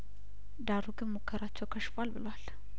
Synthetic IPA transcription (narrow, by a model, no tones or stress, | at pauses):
d̪aɾuɡɨnmokʰːəɾat͡ʃːɛwkʰəʃfalbɨlwal